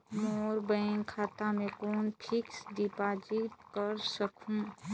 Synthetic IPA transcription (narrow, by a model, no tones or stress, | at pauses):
mɔːɾbəɪnkʰaːt̪amẽkɔːnpʰɪksdipaːd͡ʒit̪̚kəɾsəkʰũ